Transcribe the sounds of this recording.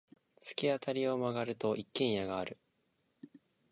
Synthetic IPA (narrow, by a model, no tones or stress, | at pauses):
t͡sɨ̥kʲiat̪ʰaɾʲio̞maɡaɾɯ̟t̪o̞ʔikːẽ̞ɰ̃jaɡaːɾɯ̟